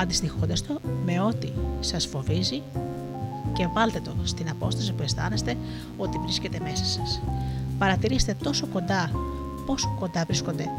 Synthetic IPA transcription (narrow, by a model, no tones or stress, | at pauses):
ɐnd̪ist̪ixond̪ɐst̪o̞me̞o̞t̪isɐsfo̞vizi | ce̞vɐlt̪e̞t̪o̞st̪inɐpo̞st̪ɐsipue̞st̪ɐ̰ne̞st̪e̞ | o̞t̪ivɾisce̞t̪e̞me̞sɐsɐspɐɾɐt̪iɾise̥t̪e̞t̪o̞so̞ko̞nd̪ɐ | po̞so̥ko̞nd̪ɐvɾisko̞nd̪e̞